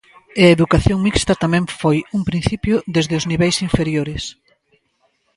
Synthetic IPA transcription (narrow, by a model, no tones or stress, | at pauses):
ɪɐeðukaθjoŋmikst̪ɐt̪amɛ̃ŋfojuŋpɾin̟θipjʊðezðeʊzniβɛjsiɱfeɾjoɾɪs